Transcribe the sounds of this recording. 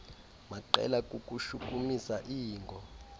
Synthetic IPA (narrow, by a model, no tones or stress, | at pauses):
maǃɛ̰lakʼukʼuʃukʼumisaʔiːŋɡʱɔ